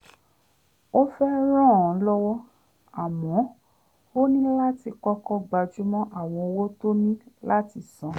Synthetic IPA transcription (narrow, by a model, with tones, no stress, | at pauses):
o˦fɛ˦ɾ̃ɔ̃˦˨ɔ̃˨˦lɔ˦wɔ˦ | a˨mɔ̃˨˦ | o˦nĩ˦la˦ti˧kɔ˦kɔ˦ɡ͡ba˧d͡ʒu˦mɔ̃˦ʔa˦˨w̃ɔ̃˧o˧wo˦to˦mĩ˦la˦ti˧˨sã˨˧